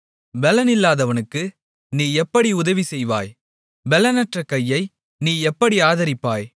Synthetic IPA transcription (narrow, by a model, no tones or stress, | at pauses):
ʋɛlɐnɪlːaːðɐʋɐnɯkːɯ | niːɛpːɐɽiʊðɐʋisɛjʋa̰ːj | ʋɛlɐnɐʈrɐkɐjːɐɪ | niːɛpːɐɽiaːðɐɾɪpːaːj